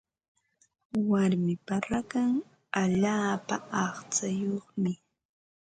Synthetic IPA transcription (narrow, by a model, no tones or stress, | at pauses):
waɾmɪpaɾakaŋ | aʎaːpaɑχt͡sajoχmɪ